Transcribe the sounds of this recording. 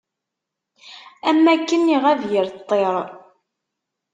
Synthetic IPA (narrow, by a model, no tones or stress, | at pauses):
æmːækːənːiʁævjəɾt̪ˤːeɾˤ